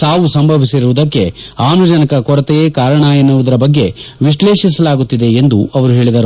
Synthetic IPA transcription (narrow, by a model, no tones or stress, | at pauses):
saːʋusɐmbʱɐʋisiɾuʋud̪ɐkːeaːnɐd͡ʒɐnɐkɐkɔɾɐt̪ɛjeːkaːɾɐɳɐenːuʋud̪ɐɾɐbɐɡːe̞ʋiʂleːʃis̬ɐlaːɡut̪ːid̪e̞ːnd̪uɐʋɐɾuɦe̞ːɭid̪ɐɾu